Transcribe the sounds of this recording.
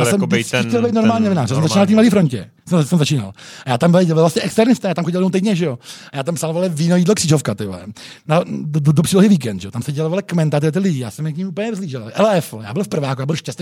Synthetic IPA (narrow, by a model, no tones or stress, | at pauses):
jaːsɛmd̪ɛlbɛjt̪noɾmaːlɲiːnovɪnaːɾrjɛasɛmzat͡ʃmiːnalft̪imladiːfɾoɲcɛ̰ | sɛmsɛmzat͡ʃiːna̰lajaːt̪ambɪlɪɛlvlvlast̪ɲɛʔɛkst̪ɛɾnɪst̪ajaːt̪amxoɟɪlmowt̪ɛjdɲɛʒɛjoajaːt̪ampsalovalɪviːnojidlokr̥iːʒofkat̪ɪlɛ̰ | naddopr̥iːloɦiviːk̬ɛnd̪ʒɛot̪amsɛɟɛloːvalɪkmɛnt̪at̪ɪɛt̪ɪlɪɟɪjaːsɛmjɛkɲimuːp̬lɲɛɛzliːʒɛllʔɛlɛɛfja̰ːbɪlfpr̩vaːkujaːbɪlʃcɛst̪